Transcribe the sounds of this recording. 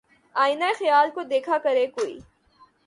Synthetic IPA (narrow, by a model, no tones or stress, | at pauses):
aːinaexjaːlkod̪eːkʰakɐɾekoːḭː